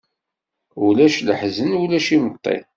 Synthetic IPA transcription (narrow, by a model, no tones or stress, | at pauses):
ulæʃləħzənulæʃimət̪ˤːḛ